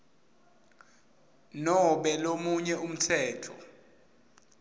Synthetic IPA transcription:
nɔɓɛlomuɲɛum̩tʰɛːtʰɔ̰

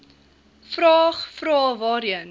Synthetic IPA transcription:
frɑːχfɾɑːvɑːɾiən

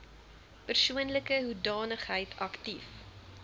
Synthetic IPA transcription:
pərsuənləkəɦudɑːnəχɦəjtʰɐktif

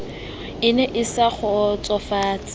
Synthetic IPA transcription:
ɪnɛʔɪsak͡xʰɔt͡sʼɔfaːt͡sʼɪ

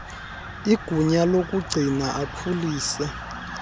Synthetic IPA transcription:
iɡ̥ʱuɲalok̬ʼuɡ͡ǀʱinaʔapʰuliːsa

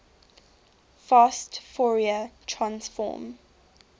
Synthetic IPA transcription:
fastfɔɹiətʰɹãnsfɔ̰ːm

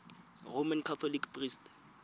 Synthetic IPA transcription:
romankʰat̪ʰɔlikprist

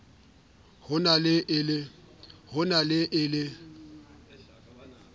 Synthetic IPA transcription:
hʊnalɪʔɪlɪ | hʊnalɪʔɪlɪ

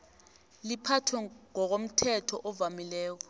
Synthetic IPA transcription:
lipʰatʰwɛŋɔk̬om̩tʰɛtʰɔʔɔvamilɛːk̬ɔ

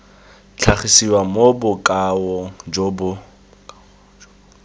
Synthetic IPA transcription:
t͡ɬʰaχisiwamobʊkʼawɔd͡ʒbʊ

